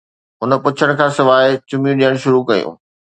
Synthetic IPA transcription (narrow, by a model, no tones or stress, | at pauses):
ɦʊnə̆pʊt͡ɕʰəɽ̃kʰãːsɪʋaːɪt͡ɕʊmjũɗijəɽ̃ʃʊɾukɐjṵ̃ː